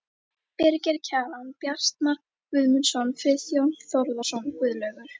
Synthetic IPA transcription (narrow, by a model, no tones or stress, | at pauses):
pɛɾcɛɾcʰaːlanpjḁst̪na | ʏðmʏnsanfɪːθjownθɔwɾðasɔnkʏðlœɥɣaɾ